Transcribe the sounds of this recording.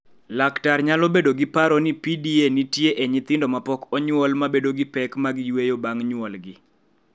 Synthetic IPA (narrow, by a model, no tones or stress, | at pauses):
laktarɲalɔbedoɡɪpaɾɔnipidienitjeʔeɲɪt̪ɪndɔmapɔkɔɲwɔlmabedoɡɪpɛkmaɡɪjwejobaŋɲwɔlɡɪ